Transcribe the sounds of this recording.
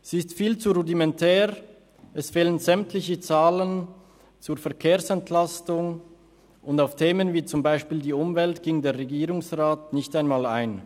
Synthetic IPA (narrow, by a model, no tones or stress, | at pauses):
z̥iɪstfiːlt͡suʁudimɛntʰɛːʁ | ɛsfeːlənzɛmtʰlɪçət͡saːlən | t͡suːɐfɛɐkʰeːɐsɛntʰlastʊŋ | ʔʊndaʊftʰeːmənviːt͡sʊmbaɪʃpiːldiːʊmvɛltɡ̥ɪŋdeːɐʁeɡiːʁʊŋsʁaːtnɪçtaɪnmaːlaɪn